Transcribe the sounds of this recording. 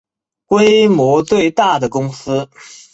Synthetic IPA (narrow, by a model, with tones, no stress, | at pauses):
kwe˥ɪmwɔ˧˥t͡swe˥˧ɪt̪a˥˩d̪ə˩kʊ˥ŋsɹ̩˥